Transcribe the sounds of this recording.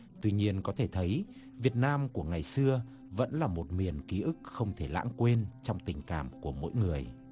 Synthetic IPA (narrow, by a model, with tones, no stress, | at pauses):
t̪wi˧ɲi˧ənkɔ˨˦t̪ʰe˧˩t̪ʰə˨˦j | vi˨˩ət̚naː˧mku˧˩əŋa˨˩jsɨ˧ə | və̰˧˥nlaː˨˩mo˨˩t̚mi˨˩ənki˨˦ʔɨ˦˥k̚xə˧wŋ͡mt̪ʰe˧˩la̰ː˧˥ŋkwe˧nt͡ɕɔ˧wŋ͡mt̪ï˨˩ŋ̟ka̰ː˧˩mku˧˩əmo̰˧˥˦jŋɨ˨˩əj